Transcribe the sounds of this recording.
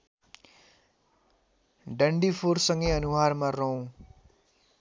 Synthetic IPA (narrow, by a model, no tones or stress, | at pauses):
ɖʌɳɖipʰoɾsʌŋɡʌjʌnuɦaɾmarʌũ